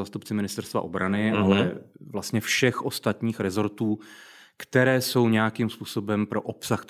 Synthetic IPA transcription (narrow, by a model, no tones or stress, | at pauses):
aːst̪upt͡sɪmɪnɪst̪ɛɾst̪va̰ʔo̞bɾanɪʔalɛvlast̪ɲɛfʃɛxʔo̞st̪at̪ɲiːxɾɛzo̞ɾt̪uː | kt̪ɛɾɛːso̞wɲɛjakimspuːso̞bɛmpɾo̞ʔo̞psaxt̪